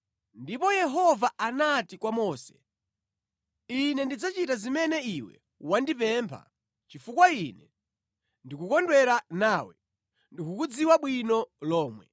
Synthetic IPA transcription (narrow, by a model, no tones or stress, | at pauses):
ndipɔjɛɦɔvaanatikwamɔːsɛ̥ | inɛndid͡zat͡ʃitazimɛnɛiwɛ̰ | wandipɛmpʰa̰ | t͡ʃifukwainɛ | ndikukɔndwɛɾanaːwɛ̰ | ndikukud͡ziwaɓwinɔlɔːmwɛ̰